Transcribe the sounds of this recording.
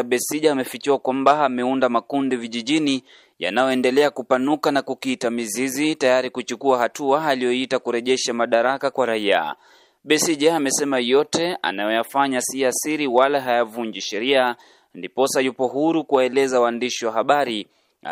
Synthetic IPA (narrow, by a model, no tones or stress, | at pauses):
ɓɛsiʄaːmɛfikiwakwambaamɛundamakundiviʄiʄini | ja̰najɔɛndɛlɛakupanukanakukiitamizizitajaɾikut͡ʃukuahatuaalijɔitakuɾɛʄɛʃamaɗaɾakakwaɾaia̰ | ɓɛsiʄaːmɛsɛmajɔtɛa̰najɔjafaɲasiasiɾiwalaɦajavuɲd͡ʒiʃɛɾia | ndipɔsajupɔɦuɾukuwaɛlɛzawaːndiʃiwaɦaɓaɾi